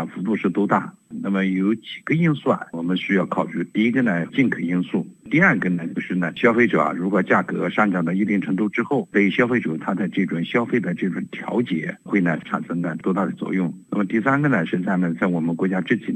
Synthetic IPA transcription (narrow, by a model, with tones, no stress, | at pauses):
fu˧˥t̪u˥˧ʂɻ̩˥˩t̪ɔ˥t̪a̰˥˩na˥˩mə˨jo˧˥ʊt͡ɕi˨˩ɡ̥ə˦i˥nswa˥˩nwɔ˨˩mə˧˦nɕy˥jɑ˥˩ʊkʰɑ˨˩ʊʈ͡ʂy˥t̪i˥˩i˥ɡə˧nə˨t͡ɕi˥˩nkʰə˨˩i˥nsu˥˩t̪i˥˧ɐ˞˥˧˩ɡə˩nə˩t͡ɕjo˥˧ʊʂɻ̩˥˩nə˩ɕjɑ˥ʊfe˥ɪʈ͡ʂɤ̰˨˩ɐ̰˩ɻu˧˥kwɔ˨˩t͡ɕja˥˩kɤ̰˧˥ʂɑ˥˩ŋʈ͡ʂɑ˨˩ŋd̪ə˦i˥˧t̪i˥˩ŋʈ͡ʂʰɤ˧˥ŋt̪u˥˧ʈ͡ʂɻ̩˥xo˥˩ʊpe˥˩ɕjɑ˥ʊfe˥ɪʈ͡ʂɤ˨˩t̪ʰa˥t͡sa˥˧ɪʈ͡ʂɤ˥˩ʈ͡ʂwa˨˩ŋɕjɑ˥ʊfe˥˩ɪd̪ə˨ʈ͡ʂɤ˥˩ʈ͡ʂʊ̰˨˩ŋt̪ʰjɑ̰˧˥ʊt͡ɕjɛ̰˧˥xwe˥˩ɪnə˩ʈ͡ʂʰa̰˨˩nʂɤ˥ŋd̪a˥˩t̪wɔ˥t̪a˥˩d̪ə˨˩t͡swɔ̰˥˧jʊ˥˩ŋna˥˩mə˩t̪i˥˩sa˥nɡə˨nə˩ʂɻ̩˧˥t͡sa˥˩ɪnə˨˩t͡sa˥˩ɪwɔ˨˩mə˦nkwɔ˧˥t͡ɕja˥ʈ͡ʂɻ̩˥˩t͡ɕʰi˨˩